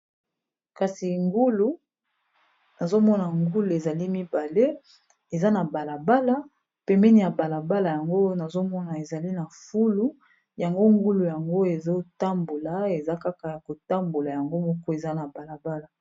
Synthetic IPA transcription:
ka˨si˨ŋɡu˦lu˦ | na˨zo˦mɔ˦na˨ŋɡu˦lu˨e˨za˨li˦mi˦ba˨le˦ | e˨za˦na˨ba˨la˨ba˦la˨ | pɛ˨mɛ˦ni˨ja˨ba˨la˨ba˦la˨ja˨ŋɡo˦na˨zo˦mɔ˦na˨e˨za˨li˦na˨fu˦lu˦ | ja˨ŋɡo˦ŋɡu˦lu˨ja˨ŋɡo˦e˨zo˦ta˦mbo˨la˨e˨za˦ka˦ka˨ja˨ko˨ta˦mbo˨la˨ja˨ŋɡo˦mɔ˦kɔ˦e˨za˦na˨ba˨la˨ba˦la˨

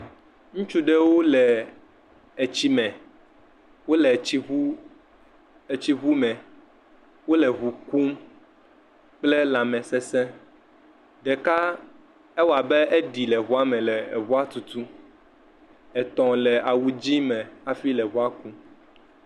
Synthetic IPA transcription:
ŋũ˦t͡ʃu˦ɖɛ˦wo˦lɛ˨ | ɛ˨t͡ɕi˦mɛ̃˨ | wo˦lɛ˨˦˨ | t͡ɕi˦βu˦mɛ̃˨ | wo˦lɛ˨ɣu˨ku˦m | k͡plɛ˦la˨mɛ̃˨sɛ˦sɛ̃˦ | ɖɛ˨ka˦ | ɛ˦wa˨bɛ˦ʔe˦ɖi˨lɛ˨βɔ˦a˦mɛ̃˨lɛ˨ɛ˨βɔ˦a˦t̪u˨t̪u˦ | ɛ˨t̪ɔ̃˨lɛ˨ʔa˨wu˨d͡ʑi˦mɛ̃˨a˨fi˦lɛ˨βɔ˦a˦ku˦

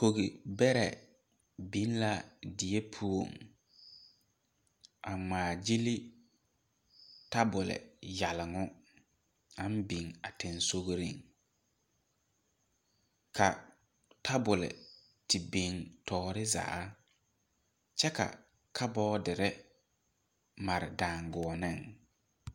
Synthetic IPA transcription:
ko˨ɣi˨bɛ˦ɾɛ̰˨ | bi˦n˦la˦dɪ˨e˦pʰu˦o̰˨ŋ | a˨ŋ͡maː˨d͡ʒi˦li˦ | ta˦bʊ˨lɪ̰˨ja˨lɪ˨ŋʊ˦ | a˦m˦bi˨ŋa˨tɪ˨nso˦ɣɾi˦ŋ | kʰa˨ | tʰa˦bʊ˨lɪ̰˨ | tɪ˨bi˨ŋtʰɔː˨ɾɪ˦za̰ː˨˦ | t͡ʃɛ˦ka̰˨ | kʰa˦bɔː˦dɪ˨ɾɪ˦ | ma˨ɾɪ̰˨daː˨ŋɡʊ˨ɔ˨nɪ˦˨ŋ

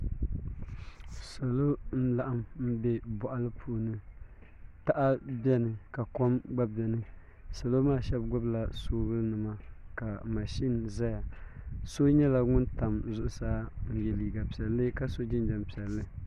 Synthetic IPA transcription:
sa˨lo˦n̩˦la˨ʔa˦mm̩˦bɛ˦bɔ˨ʔa˦lɨ˦pʰuː˨nɨ˦ | ta˦˨ʔa˦bɛ˦nɨ˨ka˨ko˦mɡ͡ba˦bɛ˨nɨ˦ | sa˨lo˦maː˦˨ʃɛ˦bɡʊ˦bla˨soː˦ɣɨ˦lnɨ˨ma˦ka˨ma˨ʃi˦nza˦ja˨so˦ɲɛ˦la˦ŋʊ˦nta˨mzʊ˦˨ʔʊ˨saː˦n̩˨jɛ˨liː˨ɡa˨pi˨ɛ˨lːɨ˦ka˦so˦d͡ʒɪ˦n˦d͡ʒɛ˨m˨pi˨ɛ˨lːɨ˦

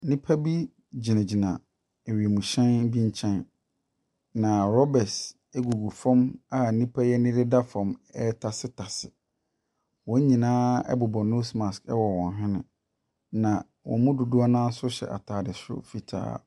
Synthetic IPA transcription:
nĩ˦pʰa˦bi˦ | d͡ʑi˨nã˨d͡ʑi˨nã˨ | e˨ɥi˨e˨mũ˨ɕɛ̃˦n˦bi˦ɲ˦t͡ɕʰɛ̃˦n | nã˨ɾɔ˦bɛ˨s | ɛ˦ɡu˨ɡu˨fɔ̃˦ma˦˨nĩ˦pʰa˦jɛ˦nɪ̃˦ɾɪ˦da˦fɔ̃˨mɛ˦tʰa˨sɪ˦tʰa˨sɪ˨ | wɔ̃˨˦ɲĩ˨nãː˦ɛ̰˦bʊ˨bɔ˨nõ˦smã˨skɛ˦wɔ˨wɔ̃˨nɦɪ̃˦nɪ̰̃˨ | nã˨ | wʔɔ̰̃˨mʊ̃˦du˨du˦a˦nãː˦n̩˦sʊ˦ɕɛ̰˨ʔa̰˨tʰaː˨dɪ˨sʊ̰˦fi˨tʰa̰ː˦

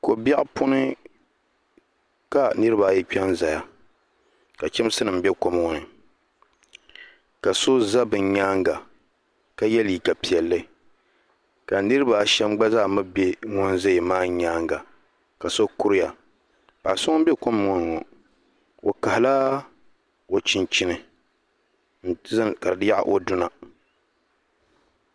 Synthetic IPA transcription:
ko˨ba˦ʔpʊ˦nɨ˦ | ka˨nɨ˦ɾɨ˦ba˨jɛ˦k͡pɛ˦nza˨ja˨ | ka˨t͡ʃɛ˦m˦sɨ˦nɨ˨m˦bɛ˦ko˦mɔ˨ŋ˨nɨ˨ | ka˨so˦za˦bɨ˨ɲɲaː˦ŋɡa˨ | ka˦jɛ˦liː˨ka˨pi˨ɛ˨lːɨ˦ | ka˨nɨ˦ɾɨ˦ba˨ʃɛ˦mɡ͡ba˦za˦˨mɨ˦be˦ŋʊ˦nza˦jmaː˦ɲaː˦ŋɡa˨ | ka˨so˦kʊ˦ɾɪ˦ja˨ | ba̰˨ʔsʊ˦ŋ˦bɛ˦ko˦mɔ˨ŋɔ˨nɨ˨ŋɔ˨ | o˨ka˨hɪ˨la˦ | o˨t͡ʃɪ˦nt͡ʃɪ˦nɨ˨ | n̩˦ka˨ddɨ˦ja˦ʔʔo˦dʊ˦na˨

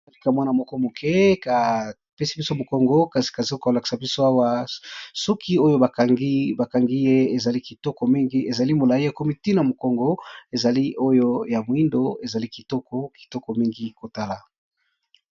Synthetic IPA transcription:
a˨li˦ka˨mwa˦na˨mɔ˦kɔ˦mo˨kʰe˦ka˨ | pe˦si˦bi˦so˦mo˨kɔ˨ŋɡɔ˦ka˨si̥˨ka˨si˨o˦ka˨la˨ki̥˨sa˨bi˦so˦a˦wa˦sɔ˦kʰi˦o˦jo˦ba˨ŋɡi˦ba˨ka˨ŋɡi˦je˦e˨za˨li˦ki˨tɔ˦kɔ˨mi˦ŋɡi˦ʔe˨za˨li˦mo˨la˨i˦ja˨ko˦mi˨ti˦na˨mo˨kɔ˨ŋɡɔ˦e˨za˨li˦ʔo˦jo˦ja˨mo˨i˦ndo˦e˨za˨li˦ki˨tɔ˦kɔ˦ki̥˨tɔ˦kɔ˨mi˦ŋɡi˦ko˨ta˦la˨

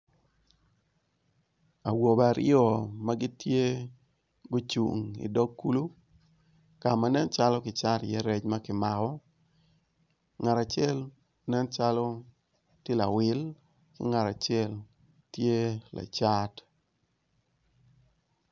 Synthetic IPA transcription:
a˨wo˨ba˨ɾɪ̰ɔ˨ma˦ɡɪ˦tje˦ | ɡo˦t͡ʃṵ˨ŋḭ˨dɔ˦ɡu˦lu˦ | ka˨ma˨nɛ˦nt͡ʃa˦lɔ˦kɪ˨t͡ʃa˦tjɛ˦ɾɛ˦t͡ʃma˦kɪ˨ma˨kɔ˦ | ŋa˨ɾa˨t͡ʃɛ˦˨l | nɛ˦nt͡ʃa˦lɔ˦ | ti˦la˨wɪ˦l | kɪ̰˦ŋa˨ɾa˨t͡ʃɪɛ˦l | tje˦la̰˨t͡ʃa˦t

